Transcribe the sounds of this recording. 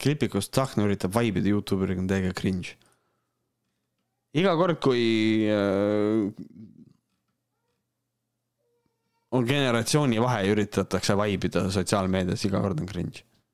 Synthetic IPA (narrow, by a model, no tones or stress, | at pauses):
klipːˑikust̪sɑknyɾit̪ːˑɑbvɑjbid̪̥ɑjuːt̪ˑːuːbyɾikont̪e̞ːɡ̥ekrinʒ | iɡ̥ɑko̞rd̪̥̚kuj | onɡe̞ne̞ɾɑt̪sio̞ːnʲivɑɦeyɾit̪ˑɑt̪ːˑɑksevɑjbid̪̥ɑs̬o̞t̪siɑːlme̞ːd̪̥ijɑ̰siɡ̥ɑ̰ko̞rd̪̥onkrḭnʒ̥